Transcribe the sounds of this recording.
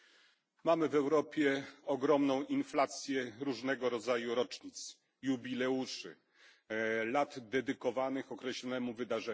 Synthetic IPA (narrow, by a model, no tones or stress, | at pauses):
mamɘvɛwɾɔpʲjɛɔɡɾɔmnɔ̃w̃ʔinflat̪sʲjɛɾuʐnɛɡɔɾɔd̪zajuɾɔt͡ʂɲit̪s | jubʲilɛuʂɘ̰ | lad̪d̪ɛd̪ɘkɔvanɘxɔkɾɛɕlɔnɛmuvɘd̪aʐɛ